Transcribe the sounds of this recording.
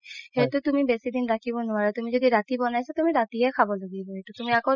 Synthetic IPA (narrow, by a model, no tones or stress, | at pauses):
hejtʊtumibesidinɹakʰibɔnʊwaɹɛtumizodiɹatibɔnajsatumiɹatiɛkʰabɔloɡibɔɦetutumiako